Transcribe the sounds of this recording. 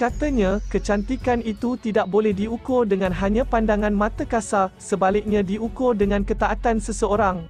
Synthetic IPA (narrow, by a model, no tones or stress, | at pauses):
kat̪əɲãkət͡ʃant̪ikanit̪ut̪idaʔ̚bolɛhdiukʊrdəŋãnɦaɲãpandaŋãnmãt̪əkasasəbalɪk̚ɲãdiukʊrdəŋãnkət̪aʔat̪ansəsəoɾaŋ